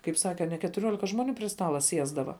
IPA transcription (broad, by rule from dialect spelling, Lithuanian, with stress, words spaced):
kɐɪp ˈsɑːkʲɛ ɐ nʲɛ kʲɛtʊˈrʲuɔlʲɪkɐ ˈʒmoːˌnʲuː pʲrʲɪ ˈstɑːlˠɐ ˈsʲiɛzdɐʋɐ